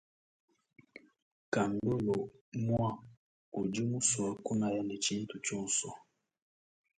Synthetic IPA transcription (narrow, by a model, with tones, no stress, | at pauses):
ka˨n˨do˦lɔ˨mwa˦ | u˨d͡ʒi˦mu˦swa˦ku˦na˨ja˦ni˨t͡ʃi˦n˦tu˨t͡ʃu˦n̩˨sɔ˨